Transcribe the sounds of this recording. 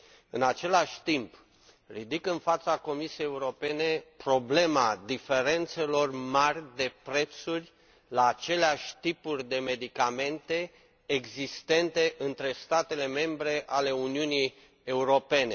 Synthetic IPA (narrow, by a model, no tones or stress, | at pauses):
ɨnat͡ʃe̞laʃʲt̪imp | rid̪ikɨnfat̪sako̞misijejeuɾo̞pe̞ne̞pɾo̞ble̞mad̪ife̞ɾe̞nt̪se̞lo̞rmarʲd̪e̞pɾe̞t̪surʲ | laːt͡ʃe̞leaʃʲt̪ipurʲd̪e̞me̞d̪ikame̞nt̪e̞ː | ɡzist̪e̞nt̪e̞ʔɨnt̪ɾe̞st̪at̪e̞le̞me̞mbɾe̞ʔale̞uniuni | e̞uɾo̞pe̞ne̞